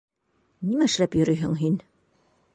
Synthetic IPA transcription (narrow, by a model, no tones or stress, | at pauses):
nimæɘ̆ʃlæpjɵ̆ɾɵjɦɘ̰ŋɦin